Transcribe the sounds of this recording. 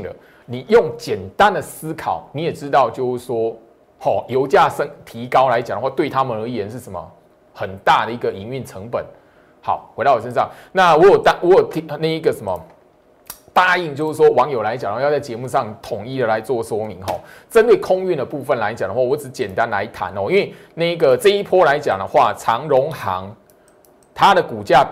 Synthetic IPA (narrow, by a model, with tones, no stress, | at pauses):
d̪ə̰˩ | ni˨˩jʊ˥˩ŋt͡ɕjɛ˨˩nt̪a˦nd̪ə˨sɹ̩˥kʰɑ˨˩˦ʊni˨˥jɛ˨˩ʈ͡ʂɻ̩˦t̪ɑ˥˧ʊt͡ɕjo˥˧ʊʂɻ̩˥˩ʂwɔ˥ | xɔ˥˨˩jo˧˥ʊt͡ɕja˥˩ʂə˦˥ŋt̪ʰi˧˦˥kɑ˥ʊla˧˦ɪt͡ɕa˨˩ŋd̪ə˦wt̪we˥˩ɪt̪ʰa˦mə˨nə˧˥jɛ˨˩nʂɻ̩˥˩ʂə˧˦mə̰˨ | xə˨˩nt̪a˥˩d̪ə˨˩i˧˥ɡə˨i˧˥˦ŋy˥˩nʈ͡ʂʰə˧˥ŋpə˨˩˦n | hɑ˨˩ʊxwe˧˥d̪ɑ˥˩ɔ˨˩ʂə˧nʂɑ˥˨˩ŋna˥˨wɔ˨˧˥jo˨˩t̪a˥wɔ˧˦˥jo˨˩ʊt̪ʰi˨˧na˥˩i˧˦ɡə˨sə˧˦nmə˨ | t̪a˥˧i˥˩˧ŋt͡ɕo˥˧ʊʂ̩˥˩ʂwɔ˦˥wɑ˧˦ŋjo˨˩ʊla˧˦ɪt͡ɕjŋdə˧˥jt͡sa˥˩ɪt͡ɕɛ˧˦˥mu˥˧ʂɑ˥˩ŋt̪ʰʊ˨˩ŋi˥˩d̪ə˩la˧˦ɪt͡swɔ˥˩ʂwɔ˥mi˧˦ŋxɔ̰˥˩t͡sə˦nt̪we˥˩ɪkʰʊ˥ŋy˥˩nd̪ə˩pu˥˧fə˥˩nla˧˦ɪt͡ɕja˨˩ŋd̪ə˦wwɔ˧˦˥ʈ͡ʂɻ̩˧˦t͡ɕjɛ˨˩nt̪a˦˥nla̰˧˦ɪt̪ʰa̰˧˦nɔ˥˧˦i˥nwe˥˩ɪna˥˩i˥ɡə˨t͡sə˥˧i˥˩pʰwɔ˥la˧˦ɪt͡ɕja̰˨˩ŋd̪ə˦xwa˥˩t͡sʰɑ˧˥ŋɻʊ˧˦˥ŋxɑ̰˧˦ŋ | t̪ʰa˦˥d̪ə˨ku˨˩t͡ɕja˥˩